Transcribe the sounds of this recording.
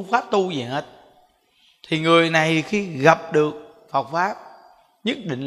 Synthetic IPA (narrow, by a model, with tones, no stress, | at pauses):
ŋ͡mfaː˦˥p̚t̪u˧zi˨˩˦he˦˥t̚ | t̪ʰi˨˩ŋɨ˨˩əjna˨˩jxi˧ɣa˨˩p̚ɗɨ˨˩ək̚ | fə˨˩wk͡p̚faː˦˥p̚ | ɲə˦˥t̚ɗḭ̈˧˨ŋ̟